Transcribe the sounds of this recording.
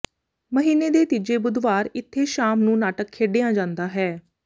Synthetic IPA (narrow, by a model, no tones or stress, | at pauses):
məɦiːneːd̪eːt̪id͡ʒeːbʊd̪ʱʋaːɾɪt̪ʰːeːʃaːmnũːnaːʈəkʰːeːɖejãːd͡ʒãːnd̪aːɦɛː